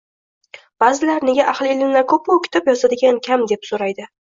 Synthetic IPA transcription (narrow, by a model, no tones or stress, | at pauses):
b̥azɪlaɾne̞ɡʲaʔaχlˠɪelɪnlaɾkʰɵpːowkʲʰɪ̥t̪ʰɒpjɒsad̪ɪɡʲankʲʰamd̪e̞psoɾajd̪ɪ